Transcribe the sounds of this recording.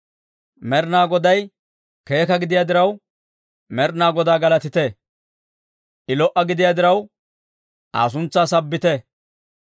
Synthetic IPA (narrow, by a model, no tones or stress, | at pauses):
mɛɾnaːɡɔd̪ɐj | ke̞ːkɐɡɪd̪ɪjaːd̪ɪɾɐw | mɛɾnaːɡɔd̪aːɡɐlɐt̪ɪt̪ɛ | ʔɪlɔʔɐɡɪd̪ɪjaːd̪ɪɾɐw | ʔa̰ːs̬ʊnt͡sːaːsɐbːɪt̪ɛ